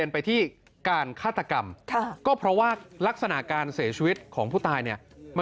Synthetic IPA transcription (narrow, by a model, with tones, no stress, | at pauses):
ənpa˧jt̪ʰiː˥˩ | kaː˧nkʰaː˥˩t̪ʰːa˧ka˧mkʰkɔː˥˩pʰɾɔ˦˥waː˥˩la˦˥k̚sa˧na˨˩ʔkaː˧nsi˩˦t͡ɕʰi˧wi˦˥t̪̚kʰɔː˩˦ŋpʰuː˥˩t̪ʰaː˧jni˥˩əma˧